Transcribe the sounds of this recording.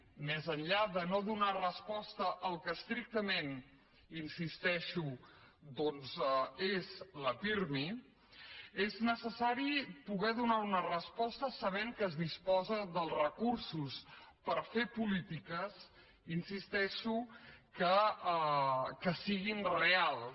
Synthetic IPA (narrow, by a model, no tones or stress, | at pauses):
mɛzənʎaðənoðunarəspɔst̪əʔəlˠkəst̪ɾik̚t̪əmen | insist̪ɛʃu | d̪ɔnzezləpiɾmi | eznəsəsaɾipuɣɛðunaunərəspɔst̪əsəβ̞eŋkəːzðispɔzəðəlˠrəkuɾsuspəɾfepulit̪ikəs | insist̪ɛʃukə | kəsiɣinrealˠ